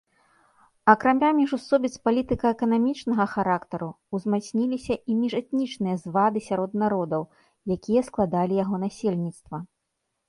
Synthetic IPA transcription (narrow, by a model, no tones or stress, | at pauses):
ɐkɾamʲamʲiʐusɔbʲit̪spalʲit̪ɨkɐɛkɐnamʲit͡ʂnɐɣɐxaɾakt̪ɐɾu | uzmasʲnʲilʲisʲɐʔimʲiʐɛt̪nʲit͡ʂnɨjɐzvad̪ɨsʲaɾɔd̪naɾɔd̪ɐw | jakʲijɐsklˠad̪alʲijaɣɔnasʲelʲnʲit̪st̪vɐ